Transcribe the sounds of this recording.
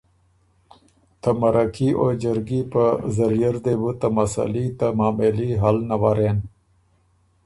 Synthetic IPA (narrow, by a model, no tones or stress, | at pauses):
t̪ʰəmɐɾakiʔod͡ʒəɾɡipəzɐɾijəɾd̪ebut̪amɐsa̰lit̪amaːmeliɦalnawaɾeːn